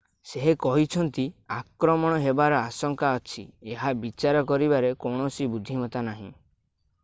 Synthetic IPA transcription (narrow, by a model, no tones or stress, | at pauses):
seɦekɔɦit͡ʃʰɔnt̪iakɾɔmɔɽ̃ɔɦebaɾɔasɔŋkaɔt͡ʃʰieɦabit͡ʃaɾɔkɔɾibaɾekɔwɳ̃ɔsibud̪ʱːimɔt̪anaɦḭ̃